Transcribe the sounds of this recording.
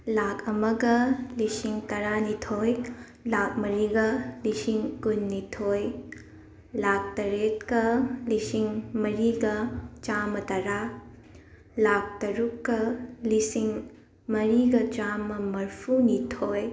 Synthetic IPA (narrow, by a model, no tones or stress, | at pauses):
lakʰɐmɐɡɐlisiŋtɐɾanitʰoj | lak̚mɐɾiɡɐlisiŋkunːitʰoj | lak̚tɐɾetkɐlisiŋmɐɾiɡɐt͡ʃamɐtɐɾa | lak̚tɐɾukːɐlisiŋ | mɐɾiɡɐt͡ʃamɐmɐɾpʰunitʰoj